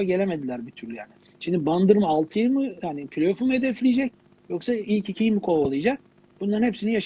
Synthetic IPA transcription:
aɟe̞lʲeme̞d̪ilʲæɾbit̪ʰyɾlʲyjaːnɪ | ʃimd̪iband̪ɯɾmɯalˠt̪ʰɯjɯmɯhanipʰilʲofumed̪ɛflʲijed͡ʒɛc̚ | jo̞ksailʲcicʰijmikʰo̞alˠɯjd͡ʒak̚ | b̥unlˠaɾnhepsinijaʃ

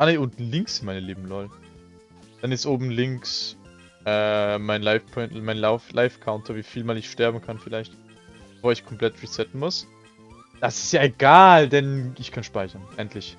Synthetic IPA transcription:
ʔaneʊntlɪŋksɪnmaɪnəleːbm̩lɔl | d̥anɪstʔoːbm̩lɪŋks | ʔɛːmaɪnlaɪfpʰɔnmaɪnlaflʔaɪfkʰaʊntʰɐviːfiːlmaːlɪçʃtɛɐbm̩kʰanfɪlaɪçt | b̥efoːɐɪçkʰɔmpl̥ɛt̚ʁ̥it͡sɛtn̩mʊs | d̥asɪ̥stjaːeɡaːldɛnɪçkʰanʃpaɪçɐnʔɛntʰlɪç

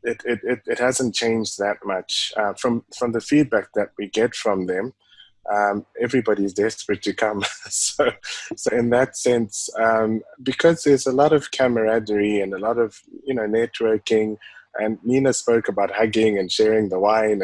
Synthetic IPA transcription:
ɪɾɪɾɪɾɪt̚hæz̃n̩t͡ʃʰẽɪ̃nd͡ʒðɨt̚mʌt͡ʃʌfɹʌ̃mfɹʌ̃mðɨfid̚bæk̚ðɨt̚wiɡɛtfɹʌ̃mðɨ̃m | ʔʌ̃mɛvɹibɑɾiɨzdɛspɹɨtʰɨkʰʌ̃msoʊsoʊɨ̃nðɨtsɛ̃nsʌ̃mbɨkʰʌzðə˞zəlɔɾʌv̥kʰæmə˞ædə˞iɨ̃nəlɔɾʌv̥jɨnoʊnɛt̚ʰwɜ˞kɪ̃ŋʔɨ̃nːinɨspoʊkəbaʊt̚hʌɡɪ̃ŋɨ̃nʃɛɹɪ̃ŋðəwãɪ̃ñ

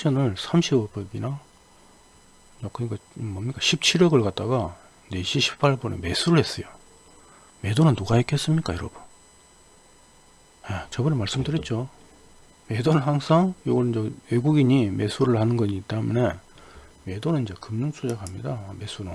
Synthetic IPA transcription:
ɕʰʌnɯɭsʰamɕʰibʌpʰeɡina | akɯɲik͈amʌmɲik͈aɕʰip̚t͡ɕʰiɾʌɡɯɭkat̚t͈aɡa | ne̞ɕʰiɕʰi̥pʰaɭbʌnḛme̞sʰuɾɯɭhe̞s͈ʌjo | me̞donɯnːuɡaek͈ʰes͈ɯmɲik͈a̰jʌɾʌbun | jet͡ɕʌbɯnemaɭs͈ɯmdɯɾit͡ɕ͈o | me̞donɯnhaŋsʰaŋjoɡʌɾind͡ʑewe̞ɡuɡiɲime̞sʰuɾɯɭhanɯnɡʌɲiːt͈amʌne | me̞donɯniɲd͡ʑe̞kɯmɲuŋsʰud͡ʑaɡhamɲidame̞s͈ʰuɾɯ

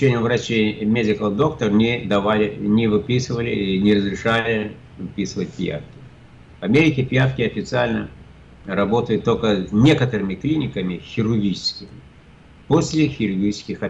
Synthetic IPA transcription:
enʲɪjəvɾɐt͡ɕejmʲedʲɪkəlˠd̪o̞kt̪ərnʲɪd̪ɐvalʲɪnʲɪvɨpʲisɨvəlʲɪinʲɪɾəzɾʲɪʂalʲɪ | vɨpʲisɨvət̚ʲpʲja̰fkʲɪ̥ | vɐmʲeɾʲɪkʲɪpʲjafkʲɪɐfʲɪt̪sɨalʲnə | ɾɐbo̞t̪əjʊt̪ːolʲkənʲe̞kət̪əɾɨmʲɪklʲinʲɪkəmʲɪxʲɪɾʊrɡʲit͡ʃɪ̥skʲɪmʲɪ | posʲlʲɪxʲɪɾʊrɡʲit͡ʃɪ̥skʲɪxɐ

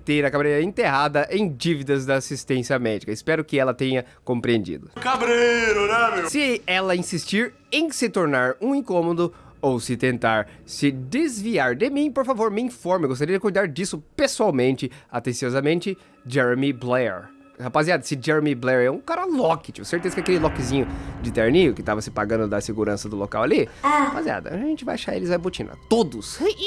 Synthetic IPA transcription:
t̪eɾɐkabɾeɾɐẽnt̪eɦad̪ɐʔẽj̃d͡ʒivid̪ɐzd̪ɐːsist̪ẽsiɐmɛd͡ʒikɐɪspɛɾʊkɪɛlɐt̪ẽɲɐ | kõmpɾiẽnd͡ʒḭd̪ʊkabɾeɾʊnɛmewsɪɛlɐĩsist͡ʃiɾ | ẽj̃sɪt̪oɾnaɾũĩŋkõmod̪ʊ | owsɪt̪ẽnt̪aɾ | sɪd̪ezviaɾd̪ɪmĩpoɾfavoɾmɪĩfɔɾmɪɡost̪aɾiɐd͡ʒɪkujd̪aɾd͡ʒisʊpesuawmẽnt͡ʃɪat̪ẽsiɔzamẽnt͡ʃɪ | d͡ʒɛɾemiblɛɾ | hapaziad̪ɐsɪd͡ʒɛɾemiblɛɾɛũkaɾɐlɔkɪt͡ʃiʊseɾt̪ezɐkɪakelɪlɔkɪzĩɲʊd͡ʒɪt̪eɾnijʊkɪt̪avɐsɪpaɡɐ̃nd̪ʊd̪ɐseɡuɾɐ̃sɐd̪ʊlo̰ka̰waliapazia̰d̪ɐ̰aʒẽnt͡ʃɪvajaʃaɾḛlɪzajbot͡ʃĩnɐ̰t̪od̪ʊs

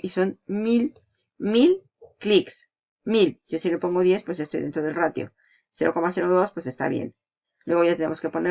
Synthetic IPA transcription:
iso̞nmil | mil | kliks | milɟ͡ʝosilepo̞ŋɡo̞ðje̞spwezʝaest̪o̞jðent̪ɾo̞ðelrat̪jo̰ | se̞ɾo̞ko̞mase̞ɾo̞ðo̞spwe̞se̞st̪a̰βjḛn | lwe̞ɣo̞ʝat̪e̞ne̞mo̞ske̞po̞ne

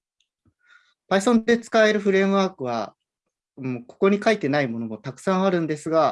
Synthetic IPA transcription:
paisõ̞nd̪e̞t͡sɨ̥kaeɾɯ̟ɸɯ̟ɾe̞ːmɯ̟βaːkɯ̟β̞a̰ | moko̞̥ko̞ɲ̟ikait̪e̞naimo̞no̞mo̞t̪akɯ̟̥sãɰ̃aɾɯ̟̃nd̪e̞sɨɡa

